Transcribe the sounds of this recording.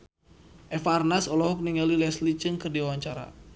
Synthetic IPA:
ʔɛfarnasɔlɔɦɔk̚niŋalilɛslit͡ʃɨŋkɨrdiawaɲt͡ʃaɾa̰

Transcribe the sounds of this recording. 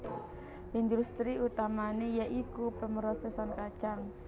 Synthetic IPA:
ind̪ɾust̪ɾiut̪amanejɛʔikupəməɾɔsɛsɔnkad̥t͡ʃaŋ

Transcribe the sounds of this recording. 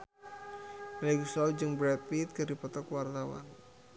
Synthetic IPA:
blɛɡusɔld͡ʒɨŋbɾɛt̚pit̪̚kɨrdipɔt̪ɔkwart̪awa̰n

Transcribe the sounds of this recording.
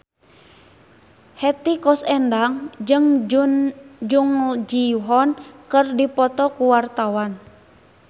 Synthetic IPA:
hɛt̪ikɔsɛndaŋd͡ʒɨŋ | d͡ʒuŋd͡ʒiɦɔnkɨrdipɔt̪ɔkuwart̪awan

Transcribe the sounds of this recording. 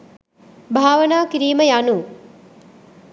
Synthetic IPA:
bʱaːʋɐnaːkiɾiːməjanu

